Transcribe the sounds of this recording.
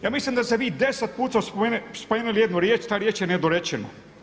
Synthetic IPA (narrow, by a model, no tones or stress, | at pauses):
jaːmislimd̪ast̪eʋiːd̪eset̪̚puːt̪aspoenespomeːnelijed̪nuɾjeːt͡ʃt̪aːɾjeːt͡ʃjened̪oɾet͡ɕeno̰